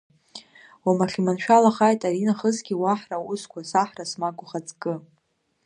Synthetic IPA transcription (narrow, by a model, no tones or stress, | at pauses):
wamaχʲimanʃᶣalaχajtʼaɾinaχəzɡʲiwaħrauskʷʰasaħrasmakʷʼʊχat͡sʼkʼɨ